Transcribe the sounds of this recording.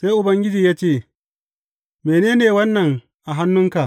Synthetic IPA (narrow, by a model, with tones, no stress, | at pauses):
se˦jʔʊ˨bɐ˦ŋɡʲɪ˦d͡ʒiː˨jaː˦t͡ʃeː˦˨ | meː˨neː˦neː˨wɐ˦nːɐ˨ŋ | ʔa˨ɦa˦nːʊ˦ŋka˨ʔ